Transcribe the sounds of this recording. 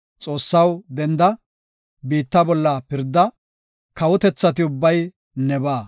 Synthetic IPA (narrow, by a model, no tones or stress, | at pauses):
t͡sʼo̞ːsːɐwd̪ɛnd̪ɐ | biːt̪ːɐbɔlːɐpɪɾd̪ːɐ | kɐwɔt̪ɛt͡sːɐt̪ɪʊbːɐj | nɛbaː